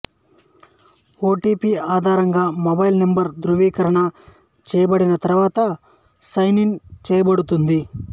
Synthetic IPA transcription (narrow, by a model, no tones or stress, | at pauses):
oːʈipiːaːd̪ʱaːɾɐŋɡaːmobɐjlnembɐɾd̪ɾuʋiːkɐɾɐɳɐ | t͡ʃɛːjɐbɐɽinɐt̪ɐɾɐʋaːt̪ɐ | sɐjniŋt͡ʃɛːjɐbɐɽut̪und̪i